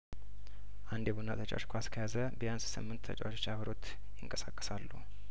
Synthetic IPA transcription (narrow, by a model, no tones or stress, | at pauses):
ʔand̪jebunat̪ʰət͡ʃʼa̰w̰t͡ʃːkʰʷaskʰəjazəbəjanssɨ̰mːɨnt̪ːʰə̰t͡ʃʼawot͡ʃot͡ʃːaβəɾot̪ | jɪŋkʼəsakʼːə̥salːṵ